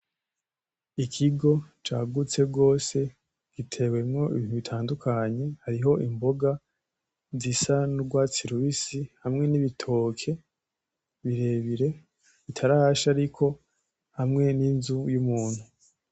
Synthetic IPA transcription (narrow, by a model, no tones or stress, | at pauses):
ikʰiɡo̞t͡ʃa̰ːɡut͡se̞ɡo̞ːse̞ | ɡ̥itʰe̞we̞mŋo̞ḭβiːn̥huβitʰaːndukʰaɲe̞haɾiɦo̞ʔimbo̞ɡa | zisanuɡwaːt͡siɾuβisihamŋe̞niβitʰo̞ːkʰe̞ | βiɾe̞ːβiɾe̞ | kitʰaɾaʃaɾikʰo̞ | hamŋe̞ninzujumuːn̥hu